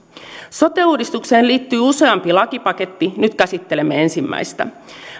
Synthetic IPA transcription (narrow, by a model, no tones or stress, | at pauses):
so̞t̪euːdist̪ukseːnliːt̪ːyːuse̞ɑmpilɑkipɑket̪ːinyt̪kæsit̪ːelemːeensimːæ̰jst̪æ̰